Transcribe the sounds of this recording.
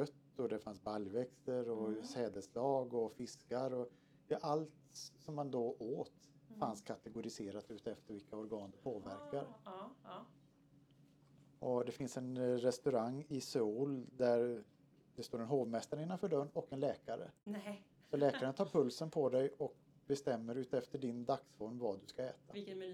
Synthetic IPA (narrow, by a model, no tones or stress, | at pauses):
œt̪ːɔd̪ɛfansbaljvɛkst̪əɾɔsɛːd̪əslɑːɡɔfɪskaɾɔ | ɛʔalt̪sɔmːand̪ɔoːt̪ | fanskʰat̪ɛɡʊɾɪseːɾat̪ʉ̟ːt̪ɛft̪əɾvɪlkːaɔɾɡɑːnd̪ɵpʰoːvæ̰ɾkaɾ | ʔɔd̪ɛfɪnsɛnɾɛst̪ɵɾaŋːɪsuːld̪æɾ | d̪ɛst̪oːɾɛnɦoːvmɛst̪aɾɪnːanfœɖœɳɔkɛnlɛːkaɾə̰ | sɔlɛːkaɾənt̪ʰɑːɾpʰɵlsənpʰɔd̪ɛjʔɔk̚ | bɛst̪ɛmːəɾʉ̟ːt̪ɛft̪əɖɪnd̪aksfɔɾmvɑd̪ɵskaɛ̰ːt̪a